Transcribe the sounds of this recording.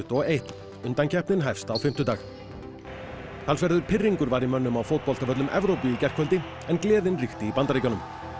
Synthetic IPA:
t̪ɔɣejht̪ | ʏnt̪ancʰɛhpnɪnɦajfst̪awfɪm̥t̪ʏt̪aːx | θalsvɛɾðʏɾ̥pʰɪrːiŋkʏɾvaɾimœnːʏmawfowt̪̚pɔl̥t̪avœt̪lʏmʔɛ̰vɾowpiicɛr̥kʰvœlt̪ɪ | ɛnklɛːðɪnrixt̪ɪipant̪aɾejcanʏm

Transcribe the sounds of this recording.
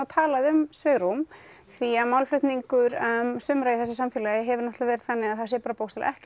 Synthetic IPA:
at̪ʰaːlaðʏmsvɪɣɾum | θiaðmawlflʏht̪niŋkʏɾmsʏmɾajɪθɛsɪsamfjɪlajɪɦɛvʏɾnɔht̪lavɛːɾɪt̪θanːɪɣaðθasjɛɾpaːɾapowst̪al̰ɛhc

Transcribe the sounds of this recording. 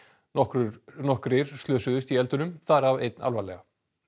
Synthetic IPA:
ɔkɾʏnɔhkɾɪɾ̥st̪lœːsʏðʏst̪iɛlt̪ʏnʏmθaɾavḛjt̪̚nʔa̰lvalɛɣa

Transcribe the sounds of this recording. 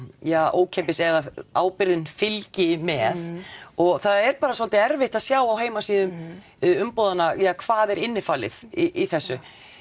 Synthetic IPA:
jaːʔoːwcʰɛmpɪsɛðaaːwpɪɾðɪnfɪlcɪmɛðɔɣθaðɛɾpaːɾasɔlt̪ɪɛɾvɪht̪aðsjaːwawɦeːjmasiːðʏm | ʏmpowðanajaːkʰv̥aːðɛɾɪnːɪfaːlɪ̰ðiʔiθɛsːʏ

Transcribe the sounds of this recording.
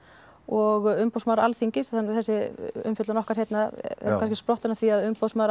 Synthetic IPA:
ɔɣʏmpowsmawɾalθiɲcɪsanθɛsːɪʏ̰mfʏt̪lanɔhkaɾ̥hjɛt̪naɛ̰ɾkanscɪ̥spɾɔht̪ɪnaθiaðʏmpowsmaːɾ

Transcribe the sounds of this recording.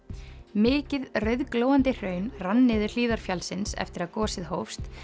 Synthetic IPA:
mɪːcɪðrœɥðkloːwant̪ɪr̥œːɥnranːɪðʏɾ̥liːðaɾ̥fjalsɪnsɛ̰ft̪ɪɾaðkɔːsɪðhowfst̪

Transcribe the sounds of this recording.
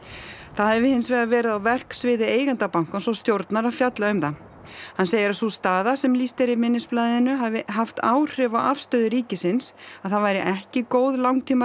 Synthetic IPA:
θaðhɛvɪhɪnsvɛːɣavɛːɾɪðawvɛr̥ksvɪːðɪeːjɣant̪apawŋ̥kansɔwst̪jowɾt̪naɾafjat̪laʏmθa | hanseːjɪɾasust̪aːðasɛmlist̪ɛɾɪmɪnːɪsplaːðɪnːʏɦavɪɦaft̪aːwr̥ɪvawafst̪œːðɪɾiːcɪsɪnsaðθaðvajɾɪʔɛhcɪkoːwðlawŋkt̪ʰiːma

